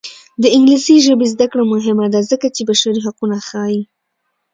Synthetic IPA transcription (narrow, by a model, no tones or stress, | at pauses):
d̪əɪŋɡlisiʒəbezd̪akɽamʊɦɪmad̪azəkat͡ʃebaʃaɾiɦaqunaxɑji